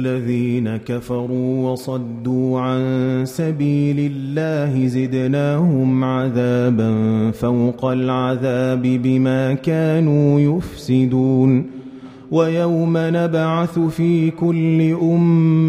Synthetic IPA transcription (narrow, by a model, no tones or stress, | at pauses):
lːaðiːnakafɑɾˤuːwɑsˤɑd̪ːuːʕansabiːlɪlːaːhɪzɪd̪naːhʊmʕaðaːbanfawqalʕaðaːbɪbɪmaːkaːnuːjʊfsɪd̪uːn | wajawmanabʕaθʊfiːkʊlːɪʔʊmː